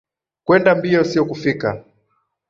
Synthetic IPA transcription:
kwɛndambiɔsiɔkufika

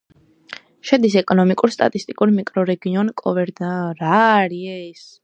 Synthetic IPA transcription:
ʃɛd̪is̬ɛkʼɔnɔmikʼuɾst̪ʼa̰t̪ʼist̪ʼikʼuɾmikʼɾɔɾɛɡiɔnkʼɔvɛɾd̪aɾaɾiɛs

